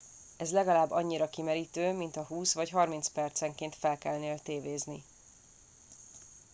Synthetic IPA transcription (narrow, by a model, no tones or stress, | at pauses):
ɛzlɛɡɒlaːbːɒɲːiɾɒkimɛɾit̪øːmint̪ɒɦuːsvɒcɦɒrmintspɛrt̪sɛŋkeːnt̪fɛlkɛlneːlt̪eːveːzni